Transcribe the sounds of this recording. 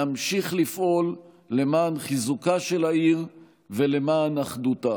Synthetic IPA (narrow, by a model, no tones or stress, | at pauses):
amʃiχlifʔo̞lː | e̞maːnχizukaʃe̞laiʁ | ve̞le̞maːnaχduta